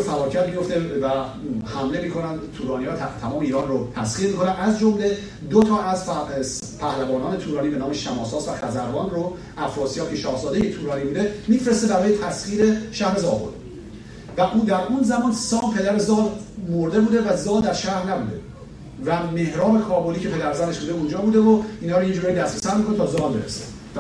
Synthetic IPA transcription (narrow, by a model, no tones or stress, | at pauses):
ofæɾɒːcʰæt̪̚bijo̞ft̪evæ | hæmlemikʰo̞nænd̪t̪ʰuːɾɒːnijɒːt̪ʰæmɒːmeiːɾɒːnrot̪ʰæsχiːɾmiːkʰo̞nænæzd͡ʒomle | d̪ot̪ʰɒːæz | pʰæhlævɒːnɒːnet̪ʰuːɾɒːnibe̞nɒːmeʃæmɒːsɒːsvæχæzæɾbɒːnro | ʔæfɾɒːsijɒːkʰeʃɒːhzɒːd̪ejet̪ʰuːɾɒːnibud̪emiːfɾe̞st̪ebæɾɒːjet̪ʰæsχiːɾe̞ʃæhɾe̞zɒːbo̞̰l | væʔuːd̪æɾʔunzæmɒːnsɒːmpʰe̞d̪æɾezɒːl | moɾd̪e̞buːd̪e̞væzɒːld̪æɾʃæhɾnæbṵːd̪e̞ | væme̞hɾɒːme̞kʰɒːboliːcʰe̞pʰe̞d̪æɾzæne̞ʃbud̪eund͡ʒɒːbuːd̪evoiːnhɒːɾoind͡ʒuːɾɒːjid̪æsɾesæd̪mikʰonet̪ʰɒːzɒːlbeɾese | v